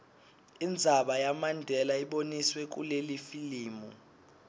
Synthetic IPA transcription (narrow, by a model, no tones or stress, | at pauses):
ind͡zʱaɓajamandʱɛlaiɓoniswek̬ṵlelifiliːmṵ